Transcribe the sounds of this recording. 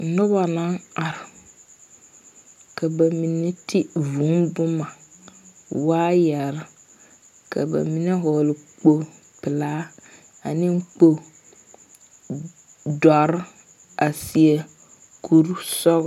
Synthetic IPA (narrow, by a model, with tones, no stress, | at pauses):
nʊ˦ba˨na˦na˨ɾɪ˨ | ka˨ba˨mi˨ne˦tʰɪ˦vu˨˦mbʊ˦ma˨ | waː˦jɛ˨ɾɪ˦ | kʰa̰˨ba̰˨mi˨ne˦ɦɔː˨lɪ˨k͡po˦ | pɪ˨laː˦ | a˨nɪ̃˦ŋ˦k͡po˦ | dɔ˨ɾ | a˨si˨e˨ | kʰu˨ɾsɔ˦ɣ